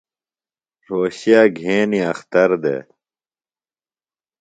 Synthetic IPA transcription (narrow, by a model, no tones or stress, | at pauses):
ɾoːɕijaːɡʱeːniɐxt̪ɐɾd̪ḛː